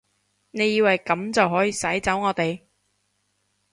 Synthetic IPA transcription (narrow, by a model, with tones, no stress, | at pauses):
ne˨˧jiː˧wɐ˨jkɐ˨˥mt͡sɐ˨wɦɔː˨˥jiː˨˧sɐ˨˥jt͡sɐ˨˥wŋɔː˨˧t̪e˨j